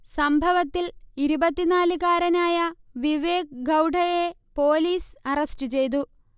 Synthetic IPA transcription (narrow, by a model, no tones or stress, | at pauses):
sɐmbʱɐʋɐt̪ːiliɾubɐt̪ːinaːlɨkaːɾɐnaːjɐʋiʋeːk̚ɡɐwɖʱɐje | po̞ːliːsɐrɐstɨt͡ɕe̞jt̪̬u